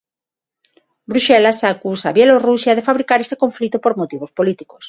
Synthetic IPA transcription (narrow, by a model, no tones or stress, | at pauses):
bɾuʃɛlasakusaβjelorusjað̞efaβɾikaɾest̪e̥koɱflit̪opoɾmot̪iβ̞ospolit̪i̥ko̥s